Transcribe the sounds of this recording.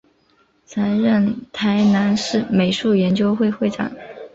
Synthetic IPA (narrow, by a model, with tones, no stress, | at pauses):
t͡sʰa˧˥ɻə˥˩nt̪ʰa˧˥ɪna˧˥nʂɻ̩˥˩me˨˩ɪʂu˥˩jɛ˧˥nt͡ɕjo˥ʊxwe˥˧ɪxwe˥˩ɪʈ͡ʂɑ̰˨˩˦ŋ